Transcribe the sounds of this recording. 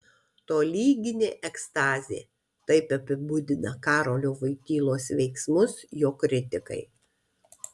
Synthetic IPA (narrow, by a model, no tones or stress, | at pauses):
t̪oːlʲiːɡʲɪnʲeːʔɛkst̪ɑːzʲḛː | t̪ɐɪpɐpʲɪbʊd̪ʲɪnɐkɑːɾoːlʲoːʋɐɪk̪ʲiːlˠoːsʋʲɛɪksmʊsjoːkɾʲɪt̪ʲɪkɐ̰ɪ